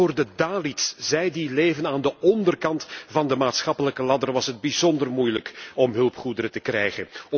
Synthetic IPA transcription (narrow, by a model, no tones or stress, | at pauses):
oːrdədaːlitsz̥ɛjdileːvənaːndəʔɔndərkɑntvɑndəmaːtsχɑpələkəlɑdərʋɑsɦəd̚bizɔndərmujləkɔmɦɵlˠpχudəɾətəkrɛ̰jχən